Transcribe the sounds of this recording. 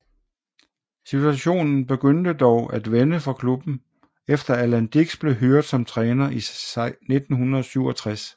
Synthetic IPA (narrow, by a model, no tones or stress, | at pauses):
sit͡sʰuæɕo̝̰ːnn̩b̥e̝ɡ̥øn̰d̥əd̥ɒʊæd̥ʋenəfɑ̈kʰlub̥n̩ | efd̥ɐælænd̥iɡ̥sb̥le̝ɦøɐ̰d̥sɒ̽mt͡sʰʁɛːnɐine̝d̥n̩hunɐðˠsyʊɒ̽t͡sʰʁas